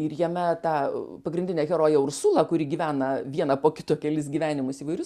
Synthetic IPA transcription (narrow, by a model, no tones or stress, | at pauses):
ɪrjɛmʲɛt̪ɑːpɐɡɾʲɪndʲɪnʲɛːɣʲɛɾoːjɛʊɾsuːlˠɐkʊɾʲɪɡʲiːʋʲæːnɐʋʲiɛnɐpoːkʲɪt̪uɔkʲɛlʲɪsɡʲiːʋʲæːnʲɪmʊsiːʋɐɪɾʊs